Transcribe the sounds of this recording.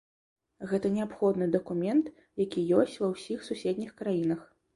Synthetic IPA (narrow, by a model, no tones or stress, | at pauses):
ɣɛt̪ɐnʲɛapxɔd̪nɨd̪ɐkumʲɛnt̪ | jakʲijɔsʲt͡sʲvɐwsʲixsusʲed̪ʲnʲixkɾajinɐx